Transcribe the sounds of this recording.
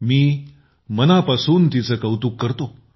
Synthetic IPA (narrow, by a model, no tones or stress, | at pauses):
miː | mənapasuːnt̪it͡səkəwt̪uːkːəɾt̪o